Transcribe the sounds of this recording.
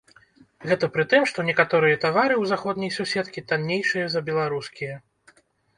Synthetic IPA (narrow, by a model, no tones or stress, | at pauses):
ɣɛt̪ɐpɾɨt̪ɨmʂt̪ɔnʲɛkat̪ɔɾɨjɐt̪avaɾɨwzaxɔd̪nʲɐjsusʲɛt̪kʲit̪anʲːejʂɨjɐzɐbʲɛlˠaɾuskʲijɐ